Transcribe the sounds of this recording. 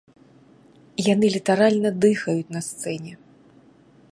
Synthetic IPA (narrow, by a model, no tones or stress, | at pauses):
janɨlʲit̪aɾalʲnɐd̪ɨxɐjut͡sʲnɐst̪sɛnʲɛ